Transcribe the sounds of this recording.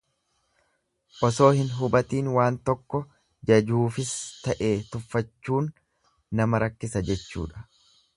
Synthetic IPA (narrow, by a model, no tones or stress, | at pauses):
ʔɔso̞ːhɪnɦʊbɐt̪iːnwaːnt̪ɔkːɔ | d͡ʒɐd͡ʒuːfɪst̪ɐʔe̞ːt̪ʊfːɐt͡ʃːuːnː | ɐmɐɾɐkːɪsɐd͡ʒɛt͡ʃːṵːᶑɐ̥